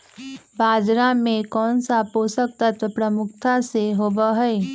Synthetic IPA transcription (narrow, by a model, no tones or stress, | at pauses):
baːd͡ʒɾamẽkɔːnsapoːsək̚t̪ət̪ʋəpɾəmʊkʰt̪ʰaseɦoːbaɦɛe